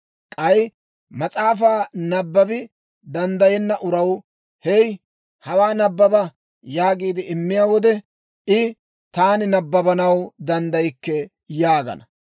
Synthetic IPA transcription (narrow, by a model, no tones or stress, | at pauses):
kʼɐj | mɐt͡sʼaːf̬aːnɐbːɐbɪ | d̪ɐnd̪ɐjɛnːɐʔʊɾɐw | hɛj | hɐwaːnɐbːɐbɐ | jaːɡiːd̪ɪɪmːɪjaːwɔd̪ɛ | ʔɪ | t̪aːnɪnɐbːɐbɐnɐwd̪ɐnd̪ɐjkːɛ | jaːɡɐ̰nɐ